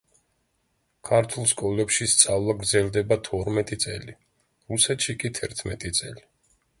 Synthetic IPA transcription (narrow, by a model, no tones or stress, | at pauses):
kʰaɾt̪ʰulˠskʼɔlɛpʃist̪sʼavlˠaɡɾd̪zɛlˠd̪ɛbat̪ʰɔɾmɛt̪ʼit̪sʼɛli | ɾusɛt̪ʃikʼit̪ʰɛɾt̪ʰmɛt̪ʼit̪sʼɛli